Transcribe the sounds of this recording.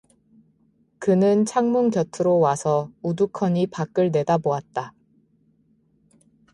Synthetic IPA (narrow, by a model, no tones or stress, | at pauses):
kɯnɯnt͡ɕʰaŋmuŋkjʌtʰɯɾowasʰʌudukʰʌɲipak͈ɯɭne̞daboat̚t͈a